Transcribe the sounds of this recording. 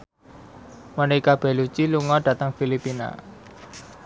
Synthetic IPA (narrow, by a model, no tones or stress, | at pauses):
manekab̥ɛ̤lut͡ʃiluŋɔɖ̥ä̤t̪əŋfilipina̰